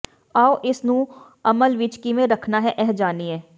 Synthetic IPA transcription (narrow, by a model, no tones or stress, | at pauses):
aːoʔɪsnũ | ɐməlʋiːt͡ʃkimẽɾɐkʰnaɦɛʔɛɦd͡ʒaːniɦɛː